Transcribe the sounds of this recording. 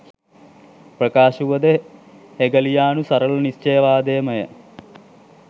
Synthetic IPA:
prɐkaːʃuʋɐd̪e | heɡɐlijaːnusɐɾɐlnist͡ʃeːʋaːd̪eːmɐjɐ̰

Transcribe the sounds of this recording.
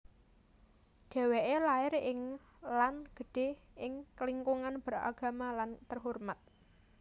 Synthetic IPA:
ɖ̥ɛ̤weʔelaɪɾɪŋ | lanɡ̥ə̤ɖ̥e̤ɪŋkəliŋkuŋanb̥əɾa̰ɡ̥a̤malant̪ərɦɔrmat̪̚

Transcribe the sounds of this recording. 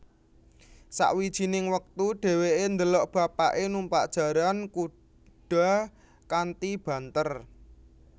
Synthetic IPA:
sa̰ʔwid̥ʒ̥inɪŋwək̚t̪uɖ̥ɛ̤weend̪əlɔʔb̥a̤paʔenumpaʔd̥ʒ̥ä̤ɾanku | ɖ̥a̤ | kant̪ib̥ä̤nt̪ər

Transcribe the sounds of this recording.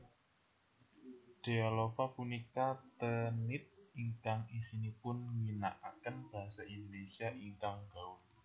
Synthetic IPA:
d̥e̤alofapunikat̪ənɪt̪̚iŋkaŋisinipʊnŋina̰ʔakənb̥a̤ɦasaʔind̪onesiaʔiŋkaŋɡaʊn

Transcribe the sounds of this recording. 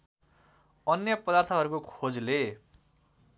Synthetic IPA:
ʌnjʌpʌd̪art̪ʰʌɦʌɾukokʰod͡zle

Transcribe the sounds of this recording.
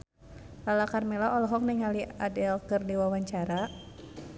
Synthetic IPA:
lalakarmɛlaʔɔlɔɦɔk̚nɛŋaliadɛlkɨrdiwawaɲt͡ʃaɾa

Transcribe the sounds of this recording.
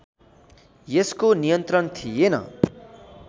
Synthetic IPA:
jeskonijʌnt̪rʌnt̪ʰijenʌ̰

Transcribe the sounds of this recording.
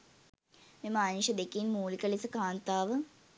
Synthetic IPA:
mimaːnuɕɐd̪ekːinmuːlikɐɭisɐkaːnt̪aːʋɨ

